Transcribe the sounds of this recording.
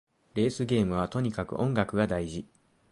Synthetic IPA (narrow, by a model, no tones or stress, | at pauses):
ɾe̞ːsɨɡʲe̞ːmɯ̟β̞at̪o̞ɲ̟ikakɯ̟̰ʔõ̞ŋɡakɯ̟ɡad̪aiʑi